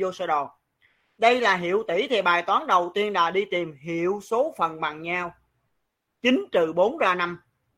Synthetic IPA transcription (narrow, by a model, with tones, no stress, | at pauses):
zo˧səː˧ɗɔ˨˩ | ɗə˧jlaː˨˩ɦḭ˧˨əwt̪ḭ˧˩t̪ʰi˨˩ɓaː˨˩jt̪waː˨˦nɗə˨˩wt̪i˧ənɗa̰ː˧˥ɗi˧t̪i˨˩mɦḭ˧˨əwso˨˦fə˨˩nɓa˨˩ŋɲaː˧w | t͡ɕi˨˦ŋ̟t͡ɕɨ˨˩ɓo˨˦nzaː˧na˧m